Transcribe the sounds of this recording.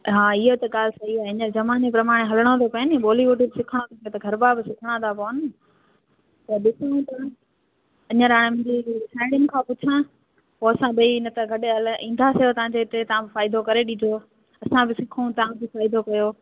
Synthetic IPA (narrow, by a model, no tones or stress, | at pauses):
ɦãːɪɦot̪ɐɠaːlsɐɦiaːeɪɲəd͡ʑɐmaːnepɾɐmaːɽ̃eɦɐləɽ̃ot̪ʰepɐɪnɪɓoːliʋʊʈɪbɪsɪkʰəɽ̃ot̪ekot̪ɐɡʱɐɾbaːbɪsɪkʰəɽ̃ãt̪ʰapɔːn | t̪ɐɗɪsũt̪ɐ | ɐɲəɾaːɽ̃emʊ̃ːɲd͡ʑiɖɪsaːɪɽɪŋɪ̆kʰãːpʊt͡ʃʰã | poːɐsãɓɐiɪnət̪ɐɡʱɐɗeɦɐlĩːn̆d̪ʱasɐjot̪ɐʋãɲd͡ʑeɪt̪et̪ɐʋãbɪfaːɪd̪okɐɾeɗĩːd̪ʱoː | ɐsãbɪsɪkʰũt̪ɐãbɪfaːɪd̪okɐjoː